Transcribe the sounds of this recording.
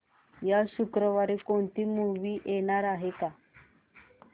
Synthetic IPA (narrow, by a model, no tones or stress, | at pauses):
jaʃukɾɔwaɾikont̪imuβiʔɛnaɾaɦeka